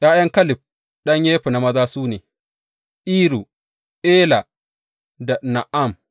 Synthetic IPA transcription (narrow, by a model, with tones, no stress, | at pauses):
jaː˦jɐ˦ŋkɐ˦lɪ˨b̚ | ɗɐ˦ɲje˦ɸi˨na˨mɐ˦zaː˦suː˦neː˨ | ʔiː˦ɾu˨ | ʔeː˦la˨ | da˨na˨ʔa˦˨m